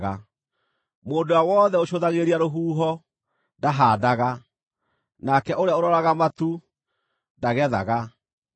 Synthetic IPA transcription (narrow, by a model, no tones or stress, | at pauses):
ɣa | moːndowawɔðɛoɕoðaɣeɾiaɾoɦuːɦɔ | daɦaːdaɣa | nakɛʔoɾeaoɾɔɾaɣamatu | ndaɣɛða̰ɣa